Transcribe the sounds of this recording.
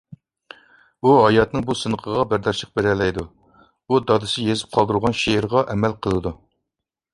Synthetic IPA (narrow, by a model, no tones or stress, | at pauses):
uɦɑjɑt̪nɨŋbusɨnəqʰəʁɑbæɾd̪ɑɾʃəq̚beɾɛlɛjd̪u | ud̪ɑd̪ɨsɪjezɪ̥p̚qʰɑlˠd̪uɾʁɑnʃeɪɾʁɑʔɛmɛlqʰəlˠɨd̪u